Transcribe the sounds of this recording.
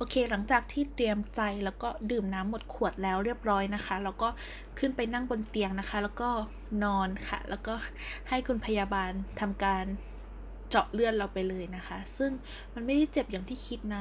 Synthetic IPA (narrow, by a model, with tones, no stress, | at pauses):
ʔoː˧kʰeː˧la˨˩˦ŋt͡ɕaː˨˩k̚t̪ʰiː˥˩t̪ɾi˧əmt͡ɕa˧jlɛː˦˥wkɔː˥˩dɯː˨˩mnaː˦˥mːo˨˩t̪̚kʰu˨˩ət̪̚lɛː˦˥wɾi˥˩əp̚ɾɔː˦˥jna˦˥kʰa˦˥lɛː˦˥wkɔː˥˩ | kʰɯ˥˩npa˧jna˥˩ŋbo˧nt̪i˧əŋna˦˥kʰa˦˥lɛː˦˥wkɔː˥˩ | nɔː˧nkʰa̰˨˩lɛ̰ː˦˥wkɔː˥˩ | ha˥˩jkʰu˧npʰa˧jaː˧baː˧nt̪ʰa˧mkaː˧n | t͡ɕɔ˨˩ʔ̚lɯ˥˩ən̚ɾa˧wpa˧jlɤː˧jna˦˥kʰa˦˥sɯ˥˩ŋ | ma˧nma˥˩jda˥˩jt͡ɕe˨˩p̚ja˨˩ŋt̪ʰiː˥˩kʰi˦˥t̪̚na˦˥